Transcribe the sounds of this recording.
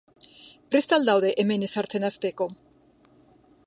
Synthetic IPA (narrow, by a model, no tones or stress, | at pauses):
pɾest̪ald̪awðeʔemenesaɾt̪enast̪eko